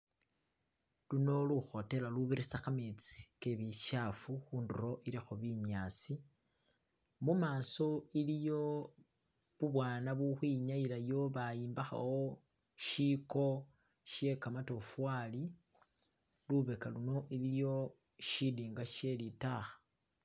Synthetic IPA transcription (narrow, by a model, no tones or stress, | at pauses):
luno̞luxo̞te̞laluβiɾisaxamet͡si̥keβiʃafuxuːnduɾo̞ʔilixoβiɲasi | mumaːso̞ilijo̞ | βuβwaːnaβuxwiɲajilajo̞βajiːmbaxa̰wo | ʃiko̞ | ʃe̞kamato̞fwali | luβekaluno̞ʔilijo̞ | ʃidiːŋɡaʃe̞litaxḁ